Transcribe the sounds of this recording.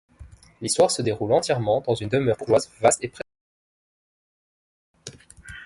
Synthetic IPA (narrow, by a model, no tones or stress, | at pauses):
list̪waʁsəd̪eʁulɑ̃t̪jɛʁmɑ̃d̪ɑ̃zynd̪əmœʁbuʁʒwazvast̪epχe